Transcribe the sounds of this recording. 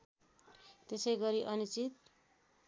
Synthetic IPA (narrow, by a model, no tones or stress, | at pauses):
t̪esʌjɡʌɾiʔʌnit͡sit̪̚